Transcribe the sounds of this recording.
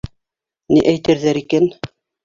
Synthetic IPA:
niʔæjt̪ɘ̆ɾðæɾikæn

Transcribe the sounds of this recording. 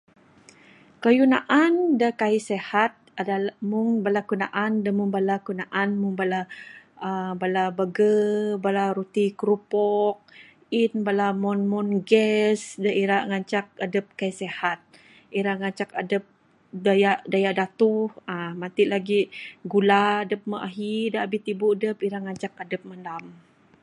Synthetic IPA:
kəjunaʔandəkaisehat̪̚adamʊŋbalakunaʔandəmuŋbalakunaʔanmʊŋbalaəbalabəɡəbalaɾut̪ikɾupɔk̚ | inbalamɔnmɔnɡɛsdaʔiɾaʔŋaɲt͡ʃak̚adəp̚kajsɛhat̪̚ | iɾaŋaɲt͡ʃakadəp̚ | dajaʔdajaʔdat̪uhamat̪iʔlaɡiɡuladəp̚məʔaɦidaabit̪ibudəpiɾaŋat͡ʃak̚adəp̚mandam

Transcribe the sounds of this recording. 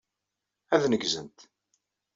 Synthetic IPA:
æðnəɡzənt̪

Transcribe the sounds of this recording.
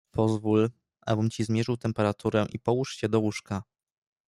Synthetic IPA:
pɔzvul | ʔa̰bɘmt͡ɕizmʲjɛʐɘwt̪ɛmpɛɾat̪ʰuɾɛʔipɔwuʂt͡ɕɛd̪ɔwuʂka

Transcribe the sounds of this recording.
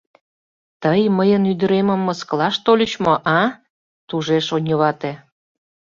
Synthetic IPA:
t̪əjməjənyd̪ə̆ɾemə̆mːəsklɑʃt̪olʲə̆t͡ɕmoʔɑ | t̪uʒeʃonʲəβɑt̪e

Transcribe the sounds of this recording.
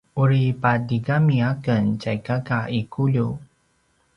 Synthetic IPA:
uɾipadiɡamiakənt͡ɕajkakaikʰuʎu

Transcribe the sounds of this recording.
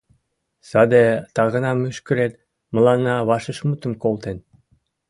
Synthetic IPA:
sɑd̪et̪ɑɣə̆nɑmyʃkə̆ɾet̪ | mə̆lɑnːɑβɑʃəʃmut̪ə̆mkolˠt̪en

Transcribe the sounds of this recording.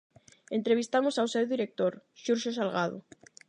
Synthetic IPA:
ent̪ɾeβ̞ist̪amosawsewðiɾek̚t̪oɾʃuɾʃosalɣað̞o̰

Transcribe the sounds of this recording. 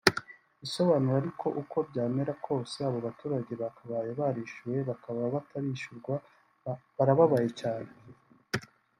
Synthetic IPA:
iso̞βaːnuɾaɾikʰo̞ʔukʰo̞bɟaːme̞ɾakʰo̞ːse̞aβo̞βatuːɾaɟe̞βakaβajeβaɾiʃuwe̞βakaβaβataɾiʃuɾɡwa | βaɾaβaβaje̞caːne̞

